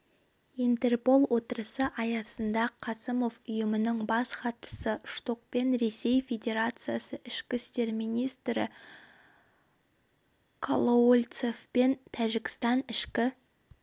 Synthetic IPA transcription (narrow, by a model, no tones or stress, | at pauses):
int̪e̞rpo̞lˠwo̞t̪əɾəsəʔɑjɑsənd̪ɑqʰɑsəmo̞vʊjəmənəɴbɑsχɑt̪ʃə̥səʔʃt̪oq̚pe̞nɾe̞se̞jfʲe̞dʲe̞ɾat̪sɨjasəʔɪʃkʲɪst̪e̞ɾmijnijst̪ɾɪ̰ | kʰolˠoolʲt̪sefpe̞nt̪ʰæʒɪkʲɪst̪ɑnɪʃkʲɪ